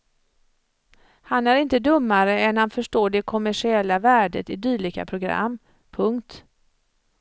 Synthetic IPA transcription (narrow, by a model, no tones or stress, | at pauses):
hanæɾɪnt̪əd̪ɵmːaɾəɛnhanfœʂʈoːɖɛkʰɔmæʂɪɛlːavæːɖə̰t̪ɪd̪yːɭɪka̰pʰɾʊɡɾa̰mː | pʰɵŋkt̪